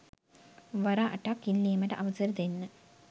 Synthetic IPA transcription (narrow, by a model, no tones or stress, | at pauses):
ʋɐɾaʔɐʈːakilːiːmɐʈɐʔɐʋɐsɐɾɐd̪enːə